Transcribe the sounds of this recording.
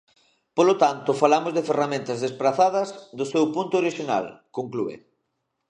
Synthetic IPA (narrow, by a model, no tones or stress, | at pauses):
polot̪ant̪ʊfalamozðeferamẽnt̪ɐzðespɾaθaðɐzd̪ʊsewpunt̪ʊoɾiʃina̰lkoŋkluḛ